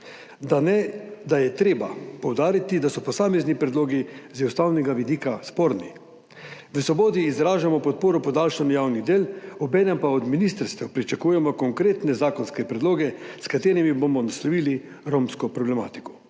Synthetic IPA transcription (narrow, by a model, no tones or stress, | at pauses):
d̪anɛd̪ajɛt̪ɾeːbapɔwd̪aːɾit̪id̪asɔpɔsaːmɛznipɾɛd̪loːɡizɛwst̪awnɛɡaʋid̪iːkaspoːɾni | ʋəsʋɔboːd̪iːzɾaːʒamɔpɔt̪̚poːɾɔpɔd̪aːlʃanɔjaːwnid̪eːlɔbɛːnɛmpaɔd̪minist̪əɾst̪ʋɛwpɾit͡ʃakuːjɛmɔkɔŋkɾeːt̪nɛzaːkɔnskɛpɾɛd̪loːɡɛskat̪eːɾimibomɔnaslɔʋili | ɾomskɔpɾɔblɛma̰ːt̪i̥kɔ̥